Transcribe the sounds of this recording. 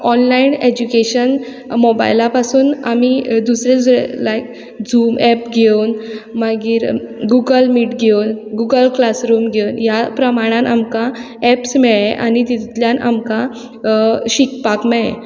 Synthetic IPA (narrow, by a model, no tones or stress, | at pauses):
ɔnlained͡ʑukeɕən | mɔba̰jlapasuːna̰mid̪usɾed͡zelajk | d͡zuːmɛpɡʱewnmaɡiːɾɡuɡəlmiːʈɡʱewnɡuɡəlklasɾumɡʱewnjapɾəmaɽ̃ãnamka | ɛpsmɛɭẽʔa̰nit̪it̪ljanʔa̰mka | ɕikpakmɛɭḛ̃